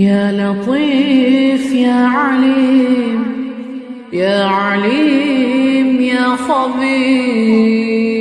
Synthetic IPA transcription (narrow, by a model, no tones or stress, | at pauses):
jaːlɑqiːfjaːʕaliːm | jaːʕaliː | mjaːsɑbiː